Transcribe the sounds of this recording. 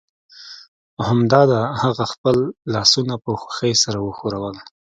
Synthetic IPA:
hamd̪ɑd̪ahaɣaxpəlːɑsunapəxḁxəjsaɾawəxoɾawəl

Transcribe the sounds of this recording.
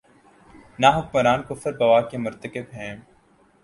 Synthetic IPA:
naːɦʊkmɐɾaːnkʊfəɾbɐʋaːkemʊɾt̪əkɪbɦɛ̃ː

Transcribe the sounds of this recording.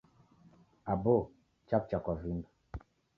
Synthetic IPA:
abo | t͡ʃap̚t͡ʃakɔvimb

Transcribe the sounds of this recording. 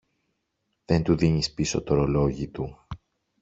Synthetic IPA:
ðe̞nt̪uðiɲispiso̞t̪o̞ɾolo̞ʝit̪u

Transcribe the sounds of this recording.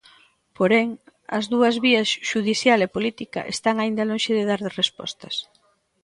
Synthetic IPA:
poɾɛŋ | ɐ̰zðuɐzβiɐsʃuðiθjalepolit̪ikɐ̰ʔḛst̪aŋaind̪ɐloŋʃɪðeðaɾðɪrespɔ̰st̪ɐs

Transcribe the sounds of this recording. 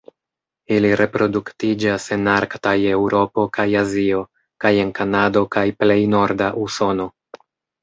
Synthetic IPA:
iliɾʔe̞pɾo̞duktid͡ʒase̞naɾktaje̞wɾo̞po̞kajazio̞ | kaje̞nkanado̞kajple̞jno̞ɾdaʔuso̞no̞

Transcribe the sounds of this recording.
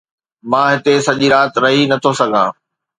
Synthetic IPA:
mãːɦɪt̪esɐʄiɾaːt̪ɾɐɦinɐt̪ʰosɐɡʱãː

